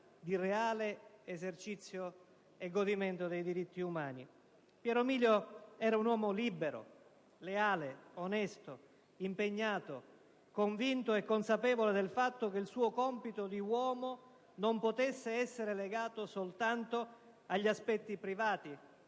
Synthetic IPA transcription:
d̪ireaːleezert͡ʃit̪sːjo | eɡːod̪iment̪od̪ejd̪iɾit̪ːiumaːni | pjɛɾomiːljoɛːɾaunwɔːmoliːbeɾo̰ | leaːleonɛst̪o | impeɲːaːt̪o | koɱvint̪oekːonsapɛːvoled̪elfat̪ːok̟eilsuːokɔmpit̪od̪iwɔːmo | nompot̪esːeɛsːeɾeleɡaːt̪osolt̪ant̪o | aʎːiaspɛt̪ːipɾivaːt̪i

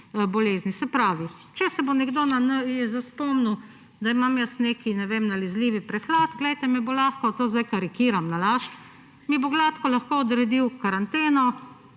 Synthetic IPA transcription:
bɔleːznisɛpɾaːʋi | t͡ʃɛsɛbonɛɡd̪onanəjɛzaspɔmnu | d̪aimamjəsneːkinɛʋeːmnalizliːʋipɾɛxlad̪ɡlɛjt̪ɛmɛbolaːxkɔt̪oːzd̪ajkaɾikiːɾamnalaːʃ | miboɡlaːt̪kɔlaxkoːd̪ɾɛd̪iwkaɾant̪eːnɔ

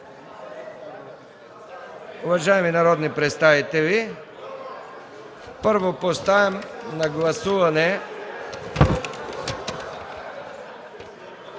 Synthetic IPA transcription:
uvaʒaɛminaɾɔd̪nipɾɛt̪st̪avit̪ɛli | pəɾvopost̪avɛmnaɡlˠasuvanɛ

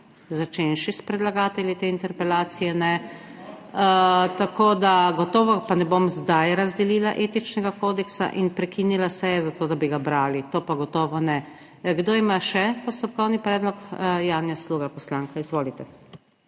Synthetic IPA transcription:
zat͡ʃenʃispɾɛd̪laɡaːt̪ɛljit̪eint̪ɛɾpɛlaːt̪sijɛnɛ | t̪akoːd̪aɡɔt̪oːʋɔpanɛbomzd̪ajɾazd̪ɛlilaʔet̪it͡ʃnɛɡakoːd̪ɛksa̰ʔinpɾɛkinilasɛjɛzat̪oːd̪abiɡabɾaːlit̪oːpaɡɔt̪ɔːʋɔnɛ | ɡd̪oːimaʃɛpɔst̪ɔp̚kɔwnipɾɛːd̪lɔkjaːnjasluːɡapɔslaːŋkaizʋoːlit̪ɛ

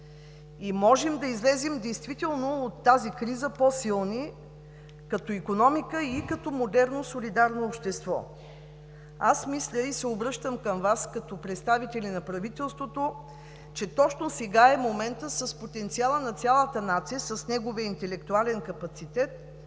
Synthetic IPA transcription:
imɔʒɛmd̪ɐizlɛzimd̪ɛjst̪vit̪ɛlˠnoot̪ːazikɾizəpɔsilˠni | kɐt̪ɔikonɔmikəikɐt̪ɔmod̪ɛɾnosolid̪aɾnoːpʃt̪ɛst̪vɔ̰ | asmislʲəisɛobɾɤʃt̪əmkəmvaskɐt̪ɔpɾɛt̪st̪avit̪ɛlʲinɐpɾɐvit̪ɛlˠst̪vot̪o | t͡ʃɛt̪ɔt͡ʃnosɛɡaɛmomɛnt̪əsəspot̪ɛnt̪sialˠənɐt̪sʲalˠət̪ənat̪sijəsəsnɛɡovijəint̪ɛlɛkt̪ualɛnkɐpɐt̪sit̪ɛt̪̚

